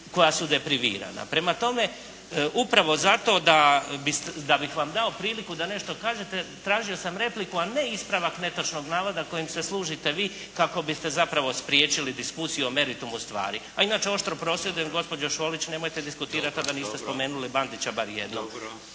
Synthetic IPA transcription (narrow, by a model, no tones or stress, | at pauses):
ko̞jasud̪e̞pɾiʋḭːɾa̰na̰pɾe̞mat̪o̞me̞ | upɾaʋo̞zat̪o̞ːd̪abist̪d̪abixʋamd̪ao̞pɾiːlikud̪ane̞ʃt̪o̞kaːʒe̞t̪et̪ɾaːʒio̞samɾe̞plikuane̞ispɾaʋakne̞t̪ot͡ʃno̞ɡnaːʋad̪ako̞jimseslˠuːʒit̪e̞ʋiː | kako̞bist̪e̞zapɾaʋo̞spɾjeːt͡ʃilid̪iskusijuome̞ɾit̪umust̪ʋa̰ːɾiainaːt͡ʃeo̞ʃt̪ɾo̞pɾo̞sjed̪ujemɡo̞spo̞d͡ʑoʃo̞ːlit͡ɕne̞mo̞jt̪ed̪iskut̪iːɾat̪ad̪aniːst̪e̞spo̞me̞ːnuliband̪it͡ɕabaɾjḛd̪nom